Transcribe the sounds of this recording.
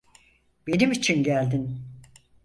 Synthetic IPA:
b̥e̞nimit͡ʃʰinɟælʲd̪in

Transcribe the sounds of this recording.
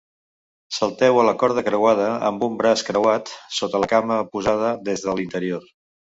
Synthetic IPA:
səlˠt̪ɛwələkɔɾð̞əkɾəwað̞əə̰mbumbɾaskɾəwat̪sot̪ələkaməpuzað̞əd̪ezðəlint̪əɾioɾ

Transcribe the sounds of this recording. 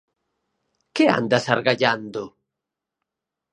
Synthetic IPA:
kɪa̰nd̪asaɾɣaʎand̪ʊ

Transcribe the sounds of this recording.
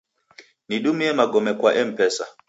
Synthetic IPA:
niɗumiɛmaɡɔmɛkwaʔɛm̩pɛsa̰

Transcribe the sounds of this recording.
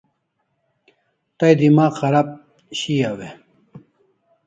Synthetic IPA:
t̪ɐjd̪imaːqʰɐɾap̚ | ɕiawe

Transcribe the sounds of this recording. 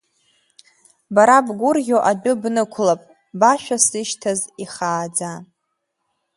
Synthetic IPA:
baɾabɡʷʊrʁʲoʔadʊbnɨkʷʰʊlapʼ | baʃᶣasɨʃtʰaziχaːd͡za

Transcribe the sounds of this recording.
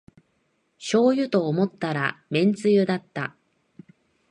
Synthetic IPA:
ɕo̞ːjɯ̟t̪o̞ːmo̞t̪ːaɾa̰mẽ̞nt͡sɨjɯ̟d̪at̪ːa

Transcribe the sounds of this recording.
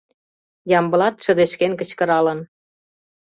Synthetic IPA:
jɑmbə̆lɑt̪ʃə̆d̪eʃkenkə̆t͡ɕkə̆ɾɑlə̆n

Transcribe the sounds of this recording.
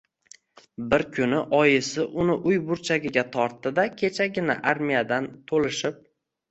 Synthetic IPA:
bɪɾkʲʰʊnɪʔɒjɪsɪʔʊnɪʔʊjbʊɾt͡ʃʰaɡʲɪɡʲat̪ʰɒɾt̪ːɪd̪akʲʰe̞t͡ʃʰaɡʲɪna̰ʔaɾmijad̪ant̪ʰolɪʃɪp̚

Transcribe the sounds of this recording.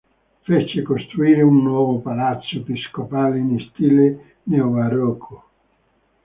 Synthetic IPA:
fet͡ʃekost̪ɾuiːɾeunːwɔːvopalat̪sːoepiskopaːleinist̪ile | neovaɾɔkʰːo

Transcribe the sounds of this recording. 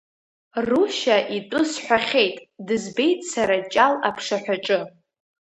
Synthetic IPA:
ruʃaʔitʼʊsħʷᶣaχʲe̞jtʼdɨzbe̞jtʼsaɾat͡ʃʼalapʰʂaħʷᶣaʈ͡ʂʼɨ

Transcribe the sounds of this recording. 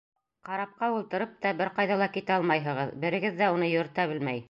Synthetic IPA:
qɑɾɑp̚qɑulˠt̪ɤ̆ɾɤp̚t̪ɑbɘɾqɑjðɑlˠɑkit̪æɑlˠmɑjɦɤ̆ʁɤðbɘ̆ɾɘ̆ɡɘðːæunɤjŏɾt̪æβɘlmæj

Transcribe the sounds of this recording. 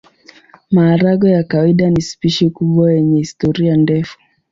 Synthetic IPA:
maːɾaɠɔjakawaiɗanispiʃikuɓwajɛɲɛhistɔɾiandɛfu̥

